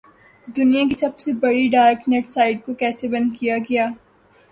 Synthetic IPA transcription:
d̪ʊnijãkisɐbsebɐɽiɖaːɾkneʈsaːɪɖ̚kokɛːsebɐ̃nd̪kijaɡɐjaː

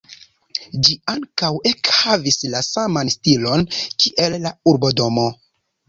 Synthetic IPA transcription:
d͡ʒiaŋkawe̞khavislasamanstilo̞nkiʔe̞lːauɾbo̞do̞mo̞

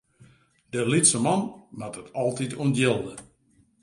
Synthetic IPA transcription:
d̥əlitsəmɑnmatətʰɔlˠtitʰuəndjɪlˠdə

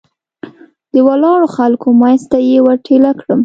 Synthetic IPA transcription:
d̪̥əwalɑɽoxalkomajst̪ajewaɾʈʰelakɽəm

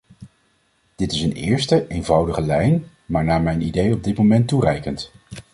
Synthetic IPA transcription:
d̥ɪtɪsənɪ̰ːɹstəʔejnvɑwdəχəlɛjn | maːɹnaːɹmɛjnidejɔb̚dɪt̚momɛntːurɛjkənt

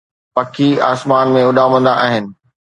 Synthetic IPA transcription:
pɐkʰia̰ːsmaːnmẽʊɗaːmə̃nd̪aʔaːɦɪnɪ̆

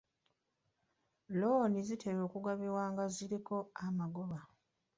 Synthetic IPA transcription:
lo̞ːnizitʰeβo̞ːkuɡaβiwaːŋɡaziɾiko̞amaɡoβa

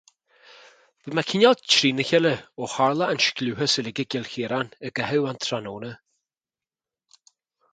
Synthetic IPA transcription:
v̥əmakʰɪnʲɔlt͡ʃʰɾiːnəçələohaɹlˠəanʃkluːhəsəlɪɡəɡɪlxeːɾanəɡɛhəwant̪ʰɾanoːnə

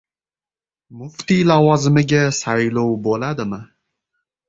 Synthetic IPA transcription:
mʊft̪ilawɒzɪmɪɡʲasajlowbolad̪ɪmɪ

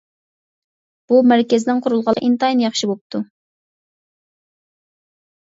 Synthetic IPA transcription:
b̥umæɾkʲɪzɪnɪŋqʰʊɾulˠʁɑlˠʔint̪ɑjnjɑχʃibop̚t̪ʰu

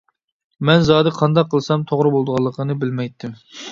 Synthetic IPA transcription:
mɛnzɑːd̪ɨqʰɑnd̪ɑqʰːəlˠsɑmt̪ʰoʁɾɨbolˠd̪əʁɑlˠːəqʰənɨbɪlmɛjt̪ʰːɪm

